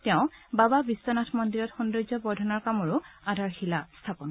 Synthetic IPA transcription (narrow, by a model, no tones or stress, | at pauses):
tɛʊ̃bababisɔnatʰmɔndiɹɔtxundojzɔbɔdʱɔnaɹkamɔɹʊadʱaɹxilastʰapɔn